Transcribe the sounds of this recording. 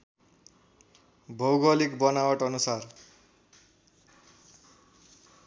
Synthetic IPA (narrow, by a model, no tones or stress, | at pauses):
bʱʌwɡʌlikbʌnawʌʈʌnusar